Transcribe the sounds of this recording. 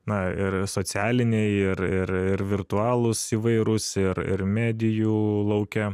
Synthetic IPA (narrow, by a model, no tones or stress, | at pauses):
nɐɪɾsoːsʲæːlʲɪnʲeɪɾɪɾɪɾʋʲɪrt̪ʊɑːlˠʊsiːʋɐɪɾʊsɪɾɪ̰ɾmʲæːd̪ʲɪjuːlˠɐʊkʲɛ